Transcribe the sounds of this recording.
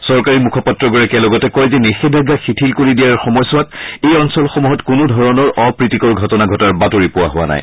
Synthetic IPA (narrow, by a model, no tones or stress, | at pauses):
sɔɹkaɹimukʰɔpatɹɔɡɔɹakɛlɔɡɔtɛkɔjzɛnixedʱaɡaxitʰilkoɹidijaɹxɔmɔjsʊwatejɔnsɔlxɔmuɦɔtkʊnʊdʱɔɹɔnɔɹʔɔpɹitikɔɹɡʱɔtɔnaɡʱɔtɔaɹbatoɹipʊwa̰ɦʊwa̰na̰j